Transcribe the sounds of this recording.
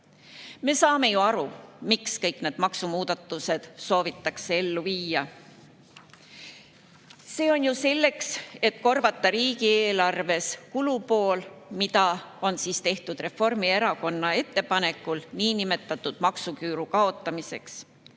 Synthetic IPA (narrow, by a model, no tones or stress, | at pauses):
me̞sɑːme̞juɑɾumikskɤjkne̞ːd̪̥mɑksumuːd̪̥ɑt̪ˑːuse̞d̪̥so̞ːvit̪ːɑkse̞e̞lːuviːɑ | se̞ːo̞njuse̞lːe̞kse̞t̪ko̞rvɑt̪ːɑɾiːɡieːlɑrve̞skulupo̞ːlmit̪ɑo̞nsiːst̪e̞ht̪ud̪̥re̞fo̞rmie̞ɾɑko̞nːɑe̞t̪ːe̞pɑnekːˑulniːnime̞t̪ːˑɑt̪ːˑud̪̥mɑksukyːɾukɑo̞t̪ːˑɑmise̞ks